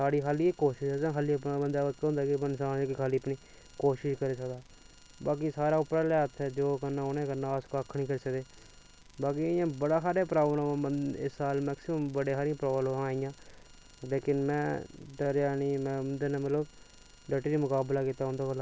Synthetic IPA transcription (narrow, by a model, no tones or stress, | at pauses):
saːɽiːkaːliːkoːʃɪʃəkd̪ãːkaːliːəpːbənd̪aːkiːɦʊ̃nd̪aːkibənsaːekikʰaːliːəpniː | koːʃɪʃkəɾiːsəkd̪aː | baːkisaːɾaːʊpɾaːlɛːt̪ʰɛːd͡ʒoːkənãːonẽːkənːãːskaːkʰniːkəɾiːsəkd̪eː | baːk̬ijãːbəɽaːkaːɾeaːpɾaːbmoãːəɪ̰sːaːlmɛːksɪməmbəɽeːkʰaːɾĩãːpɾoːblmãːiːjãː | leːkɪnmɛ̰̃ːɖəɾjaːniːmɛ̃ːʊnd̪eːnãːmələb | ɖeːʈiːɾiːmʊkaːblaːkiːt̪aːɦʊ̃nd̪aːəla